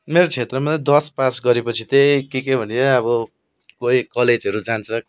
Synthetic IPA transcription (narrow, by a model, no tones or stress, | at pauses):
meɾot͡sʰet̪rʌmad̪ʌspasɡʌɾepʌt͡sʰit̪ekekebʱʌnʌʌβʌ | koikʌled͡zʌɾud͡zant͡sʰʌ